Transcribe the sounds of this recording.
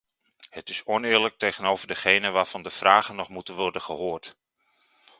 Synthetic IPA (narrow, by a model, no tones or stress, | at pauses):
hətɪsɔnɪːɹlək̚tejχənoːvərdəχejnəʋaːrv̥ɑndəfraːχənɔχmutənʋɔrdəχəhoːrt